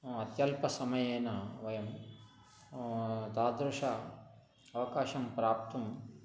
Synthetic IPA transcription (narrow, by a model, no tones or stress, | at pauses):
ɐt̪jɐlpɐsɐmɐjeːnɐʋɐjɐm | d̪aːd̪ɾuʂa | ɐʋɐkaːʃɐmpɾaːp̚t̪um